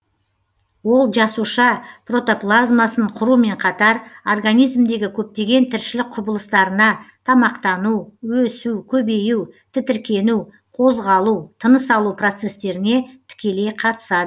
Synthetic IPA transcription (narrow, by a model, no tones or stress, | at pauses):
wo̞lˠʒɑsuʃɑpro̞t̪o̞plˠazmasəɴqʰʊɾume̞ɴqʰɑt̪ɑɾorɡanijzmd̪e̞ɡʲɪkʲʰɵp̚t̪e̞ɡʲe̞nt̪ʰɪɾʃɪlɪk̚qʰʊbəlˠəst̪ɑɾənɑt̪ʰɑmɑqt̪ɑnuwwɵsuwkʲʰɵbe̞juwt̪ʰɪt̪ɪɾkʲe̞nu | qʰo̞zʁɑlˠut̪ʰənəsɑlˠupro̞t̪se̞st̪e̞ɾɪne̞t̪ʰɪ̥kʲe̞le̞jqʰɑt̪ə̥sɑd̪ə